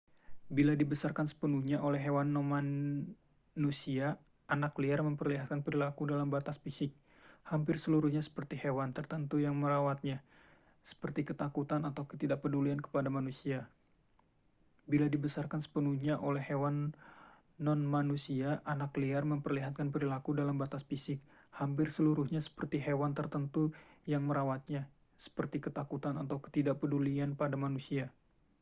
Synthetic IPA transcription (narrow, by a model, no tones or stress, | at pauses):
biladibəsarkansə̥pənuhɲaʔolɛɦewanːɔnma | nusiaː | nakliarməmpərliɦat̪̚kanpəɾilakudalambat̪asfisɪk̚ | hampɪrsəluɾuhɲasə̥pərt̪ihewant̪ərt̪ənt̪ujaŋməɾawat̪̚ɲa | sə̥pərt̪ikət̪akut̪anat̪awkə̥t̪idaʔpəduliankə̥padamanusia | biladibəsarkansə̥pənuhɲaʔolɛhːewanː | ɔnmanusiaʔanakliarməmpərliɦat̪̚kanpəɾilakudalambat̪asfisɪk̚ | hamp̬ɪrsəluɾuhɲasə̥pərt̪iɦewant̪ərt̪ənt̪ujaŋməɾawat̪̚ɲa | sə̥pərt̪ikət̪akut̪anat̪awkə̥t̪idaʔpədulianpadamanusia